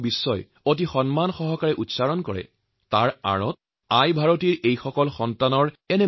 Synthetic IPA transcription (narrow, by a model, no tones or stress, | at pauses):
bisːɔj | ot̬ixɔnmanxɔɦɔkaɹɛʔutsaɹɔnkɔɹɛ̰ | taɹa̰ɹɔt̚ | ajbʱaɹotiɹejxɔkɔlxɔntanɔɹ | ɛnɛ